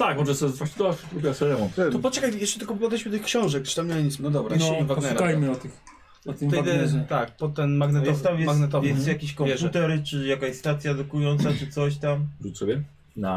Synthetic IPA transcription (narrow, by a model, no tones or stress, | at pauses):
t̪akmɔʐɛsɔzvwaɕi̥t̪ɔap̪ɾupʲɛasɛɾɛvɔnɛt̪ɔpɔt͡ʂɛkajjɛst͡ʂɛt̪ɘlkɔppɔd̪ɛiɕmɨt̪ɨxkɕɔ̃w̃ʐɛk̚t͡ʃɨ̥t̪amɲɛɲit̪smnɔd̪ɔbɾanɔvaɡpɔnɛɾkajmɨat̪ɨx | at̪ɨɛjd̪ɛt̪ak̚pɔt̪ɛnmaɡnɛt̪ɔst̪amjɛmaɡnɛt̪ɔvjɛsst̪jakʲiɕkɔ̃vjɛput̪ɛɾt͡ʂɘjakaj̪st̪at̪sʲjad̪ukujɔnt̪sat͡ʂɨt̪sɔɕt̪amʐusɔbʲɛ | na